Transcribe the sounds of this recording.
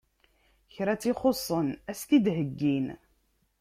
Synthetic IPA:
çɾæt͡sːiχosˤːənæsk̪id̪ɦəɡːin

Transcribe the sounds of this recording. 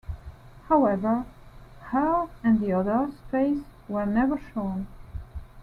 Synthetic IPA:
haʊɛvə˞həɹɨ̃nðiʌðə˞speɪswə˞nɛvə˞ʃõʊ̃n

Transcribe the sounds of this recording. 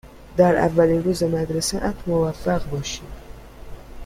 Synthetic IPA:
d̪aɾa̰vːaliɾuzamad̪ɾasaʔat̪mʊvafːaqbɔʃi

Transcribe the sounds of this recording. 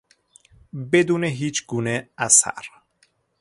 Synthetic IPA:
bed̪uːneɦiːt͡ʃʰɡuːneæsæ̰ɾ

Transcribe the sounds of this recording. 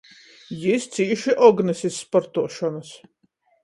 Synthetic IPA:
jist̪siːʃiʔɔɡnɨsʲisːpɔɾt̪uɔʃɔnɐs

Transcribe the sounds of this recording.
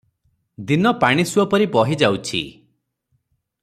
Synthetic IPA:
d̪inɔpaɽ̃isuɔpɔɾibɔɦid͡ʒawt͡ʃʰḭ

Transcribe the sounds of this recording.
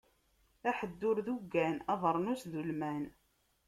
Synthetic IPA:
æħəd̪ːʊɾðuɡːænɑðˤəɾˤnusðulmæn

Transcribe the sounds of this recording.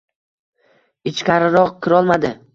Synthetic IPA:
ɪt͡ʃkʲaɾɪɾɒqkʲʰɪɾɒlˠmad̪ɪ

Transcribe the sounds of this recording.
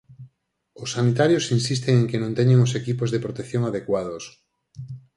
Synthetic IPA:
ʊsːanit̪aɾjosinsist̪eŋẽŋkenõnt̪eɲeŋosekipozðepɾot̪ekθjoŋaðekwað̞os

